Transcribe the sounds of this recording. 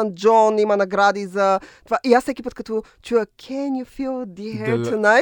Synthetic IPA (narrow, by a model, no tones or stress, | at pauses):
and͡ʒɔnimɐnɐɡɾad̪izɐt̪ovaʔiassɛkʲipət̪kɐt̪ɔ | t͡ʃujəkʰɛnjufilˠd̪iɦɛt̪unaɪ